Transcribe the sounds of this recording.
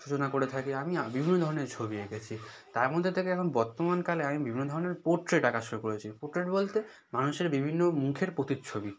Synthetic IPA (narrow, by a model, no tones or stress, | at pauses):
ʃut͡ɕonakoɾet̪ʰakeamibibʱinːod̪ʱɔɾoneɾt͡ɕʰobiekʰet͡ɕʰi | t̪aɾmod̪ʱːet̪ʰekeɛkʰonbɔɾt̪omankaleamibibʱinːod̪ʱɔɾoneɾpoɾʈɾeʈakaʃoɾukoɾet͡ɕʰipoʈɾeʈbolt̪e | manuʃeɾbibʱinːomukʰeɾpot̪itt͡ɕʰobi